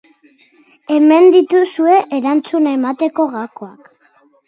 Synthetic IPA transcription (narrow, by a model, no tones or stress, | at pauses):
e̞me̞nd̪it̪usue̞ʔeɾant͡sunae̞mat̪e̞ko̞ɣakoak